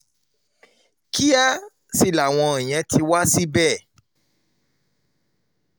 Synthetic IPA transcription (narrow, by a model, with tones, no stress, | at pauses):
ki˦a˦ | si˧˨la˨w̃ɔ̃˧ɛ̃˨j̃ɛ̃˨˧tʰi˧wa˦si˦bɛ˦˨